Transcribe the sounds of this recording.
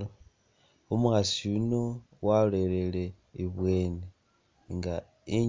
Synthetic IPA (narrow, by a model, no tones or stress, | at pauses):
umuxasiuno̞ | wale̞le̞le̞ | iβwe̞ːne | ŋɡa | i